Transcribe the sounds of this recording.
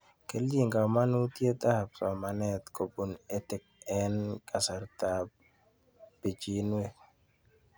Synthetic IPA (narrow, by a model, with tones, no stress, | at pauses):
ke˨lji˦˨ŋɡa˨ma˦nu˦tje˦ta˦˨p̚sɔ˨ma˨nɛ˦˨t̪ko˨pu˨ne˦tɪ˨k̚ɛ˨nka˨sa˨ɾta˨p | b̥i˨d͡ʒi˨nwe˦